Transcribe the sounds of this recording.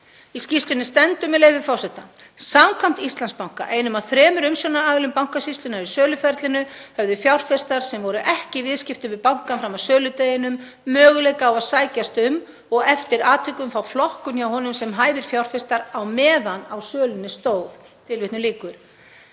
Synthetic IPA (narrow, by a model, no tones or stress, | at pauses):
iscist̪lʏnːɪst̪ɛnt̪ʏmɛðleːjvɪfɔwsɛht̪a | samkʰvam̥t̪ist̪anspawŋ̥ka̰ʔejnʏmaðθɾɛːmʏɾʏmsjɔwnaaːvɪlʏmpawŋ̥kasist̪ʏnaɾisœːlʏfɛɾt̪lɪnʏhœvðʏfjawr̥fɪst̪aɾ̥sɛmvɔɾʏʔɛhcɪvɪðscɪft̪ʏvɪðpawŋ̥kanfɾamasœːlʏt̪eːjɪnʏmː | œːɣʏlejkaːwaðsaːjcast̪ʏm | ɔɣɛft̪ɪɾaːt̪ʰʏkʏmfawflɔhkʏnjawhɦɔnʏmsɛmɦaːjvɪɾ̥fjawr̥fɪrst̪aɾawmɛːðanawsœːlʏnɪst̪oːwθ | t̪ʰɪlvɪht̪nʏliːkʏɾ̥